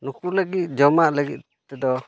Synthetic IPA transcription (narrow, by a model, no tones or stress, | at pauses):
nukuləɡit̪̚d͡ʒɔmaʔləɡḭt̪̚ | t̪ɛd̪ɔ